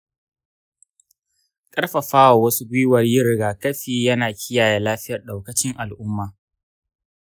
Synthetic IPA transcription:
kʼɐ˦ɽɸa˨ɸaː˦wa˨wɐ˦su˦ɡʷʊ˦wɐ˨rjɪ˦ɾɪ˨ɡaː˨kɐ˦ɸiː˨jɐ˦naː˨kʲʰɪ˦jaː˨jaː˨laː˦ɸɪ˦jɐ˨rɗa˨wkɐ˨t͡ʃɪ˦ŋʔa˨lʔʊ˦mːaː˨

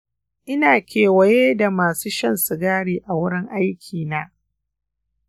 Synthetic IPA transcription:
ʔɪ˦naː˨kʲeː˨wɐ˨jeː˦da˨maː˨suː˦ʃɐ˦nsɪ˨ɡaː˦ɽiː˨ʔa˨wʊ˦ɽɪ˦ŋʔa˦jkʲʰiː˨naː˦

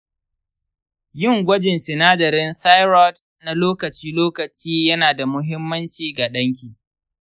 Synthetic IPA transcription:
jɪ˦˨ŋɡʷɐ˦d͡ʒɪ˨nsɪ˨naː˦dɐ˨ɾɪ˦nθa˦jɾɔ˦d | na˨loː˦kɐ˨t͡ʃiː˦loː˦kɐ˨t͡ʃiː˦jɐ˦naː˨da˨mʊ˦ɦɪ˦mːɐ˦nt͡ʃiː˨ɡa˨ɗɐ˦ŋkʲiː˨

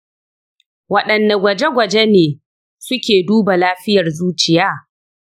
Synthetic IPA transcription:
wɐ˨ɗɐ˨nːa˨ɡʷɐ˨d͡ʒe˦ɡʷɐ˨d͡ʒe˦neː˨ | sʊ˦kʲeː˨duː˦ba˨laː˦ɸɪ˦jɐ˨rzuː˦t͡ʃɪ˨jaː˦

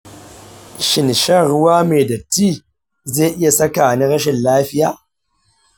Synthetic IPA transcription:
ʃɪ˨nʃɐ˦ɾʊ˦waː˦meː˨da˨tiː˦ | ze˦˨ʔɪ˦ja˨sɐ˦kaː˨ni˦ɾɐ˦ʃɪ˨nlaː˦ɸɪ˦jaː˨

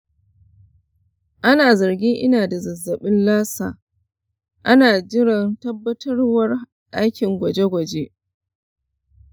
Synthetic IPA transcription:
ʔa˦naː˨zɐ˨rɡʲɪ˦ŋʔɪ˦naː˨da˨zɐ˨zːɐ˨ɓɪ˦nlaː˦saː˨ | ʔa˦naː˨d͡ʒɪ˦ɽɐ˨ntɐ˦bːɐ˦tʰɐ˦rwɐ˦r | ʔa˦jkʲɪ˨ŋɡʷɐ˨d͡ʒe˦ɡʷɐ˨d͡ʒe˦ʔ

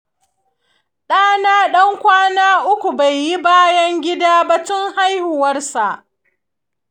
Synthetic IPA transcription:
ɗaː˦naː˦ɗɐ˦ŋkʷaː˦naː˦ʔʊ˦kʷu˨ba˨jːi˦baː˦jɐ˦ŋɡʲɪ˦daː˦ba˦tʊ˦ŋha˦jhʊ˨wɐ˦rsa˨ʔ

